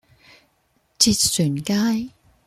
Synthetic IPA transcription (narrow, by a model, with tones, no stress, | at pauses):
t͡si˧t̚syː˨˩nkaː˥j